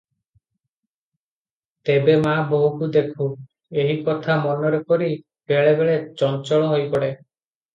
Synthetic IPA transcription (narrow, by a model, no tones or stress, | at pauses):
t̪ebemaboɦukud̪ekʰũ | eɦikɔt̪ʰamɔnɔɾepɔɾi | b̥eɭebeɭet͡ʃɔnt͡ʃɔɭɔɦojpɔɽe